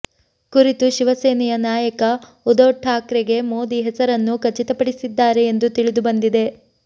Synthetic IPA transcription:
kuɾit̪uʃiʋɐseːnɛjɐnaːjɐkɐ | ud̪oːʈʰːaːkɾɛɡe̞mo̞ːd̪iɦɛsɐɾɐnːukɐt͡ʃit̪ɐpɐɽisid̪ːaːɾe̞ːnd̪ut̪iɭid̪ubɐnd̪id̪e̞

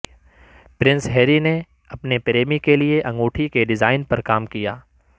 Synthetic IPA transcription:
pɾɪ̃nsɦɛːɾine | ɐpnepɾeːmikelieʔɐ̃ŋɡoːʈʰikeɖɪzaːɪnpɐɾkaːmkija̰ː

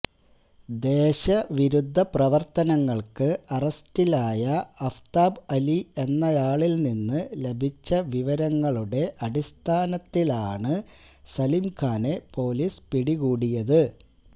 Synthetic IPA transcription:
d̪e̞ːɕɐʋiɾud̪ʱːɐprɐʋɐrt̪ɐnɐŋːɐɭkɨɐrɐstilaːjɐɐft̪aːbɐlie̞nːɐjaːɭilninːɨle̞bʱit͡ɕːɐʋiʋɐɾɐŋːɐɭuɽe̞ʔɐɽist̪ʰaːnɐt̪ːilaːɳɨ | sɐlimkʰaːnepo̞ːlispiɽiɣuːɽijɐðɨ

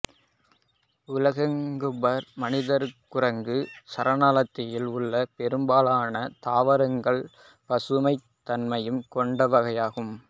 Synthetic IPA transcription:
ʊlɐɣɐŋɡɯbɐɾmɐnɪðɐɾkʊɾɐŋɡɯsɐɾɐnaːlɐt̪ːɪjɪlʊɭːɐpɛɾɯmbaːlaːnɐt̪aːʋɐɾɐŋɡɐɭ | pɐsɯmɐɪt̪ːɐnmɐjɯmkɔɳɖɐʋɐɣɐjaːɣɯm

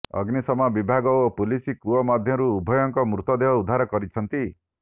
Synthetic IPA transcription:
ɔ̰ɡnisɔmabibʱaɡɔopulisikuɔmad̪ʱjɔɾuːbʱɔjɔŋkɔmɾut̪ɔd̪eɦɔud̪ʱaɾɔkɔɾit͡ʃʰɔnt̪i

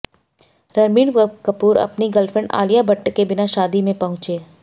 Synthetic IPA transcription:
ɾɐɾmiːɽkɐpuːɾɐ̰pniɡɐlfɾə̃ɳɖa̰ːlijabɐʈːkebɪnaʃaːd̪imẽpɐɦʊ̃t͡ʃeː

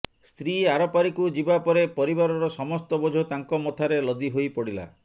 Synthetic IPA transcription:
st̪ɾiaɾɔpaɾikud͡ʒibapɔɾepɔɾibaɾɔɾɔsɔmɔst̪ɔbɔd͡ʒʱot̪aŋkɔmɔt̪ʰaɾelɔd̪iɦojpɔɽila̰

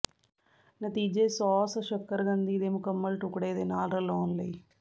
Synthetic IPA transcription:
nɐt̪iːd͡ʒeːsɔːsɐʃɐkːɐɾɡɐnd̪iːd̪eːmukɐmːɐlʈukːɽeːd̪eːnaːlɾɐlɔːnlɐj

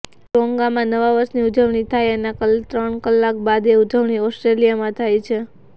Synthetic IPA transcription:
ɾoŋɡamãnəʋaʋəɾʃniud͡ʒəʋɳit̪ʰajəneakəlt̪ɾəɳkəlːak̚bad̪eud͡ʒəʋɳiɔsʈɾelijamãt̪ʰajt͡ʃʰe

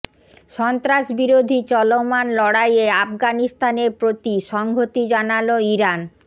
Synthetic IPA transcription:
ʃɔnt̪ɾaʃbiɾod̪ʱit͡ɕɔlomanlɔɽajeafɡanist̪aneɾpɾot̪iʃɔŋɡʱot̪id͡ʑanaloiɾan

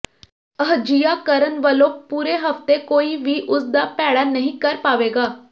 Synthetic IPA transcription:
əɦd͡ʒijaːkəɾənʋəlõːpuːɾeːɦəft̪eːkoːiːʋiːʔʊsd̪aːpɛːɽaːnəɦĩːkəɾpaːʋeːɡaː

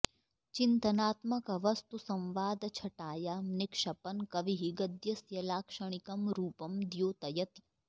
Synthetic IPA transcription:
t͡ʃɪnt̪ɐnaːt̪mɐkɐʋɐst̪usɐ̃mʋaːd̪t͡ʃʰɐʈaːjamnɪkʃɐpɐnkɐʋiɦiɡɐd̪jɐsjɐlaːkʃɐɽ̃ikɐmɾuːpɐmd̪joːt̪ɐjɐt̪

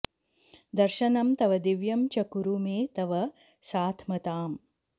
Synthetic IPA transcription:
d̪ɐɾʃɐnɐmt̪ɐʋɐd̪iʋjɐmt͡ʃɐkuɾumeːt̪ɐʋɐ | saːt̪ʰmɐt̪aːm

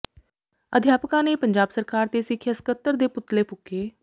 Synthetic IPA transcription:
əd̪ʱjaːpəkãːneːpəɲd͡ʒaːbsəɾkaːɾt̪eːsɪkʰjəskət̪ːəɾd̪eːpʊt̪ːleːpʊkːeː

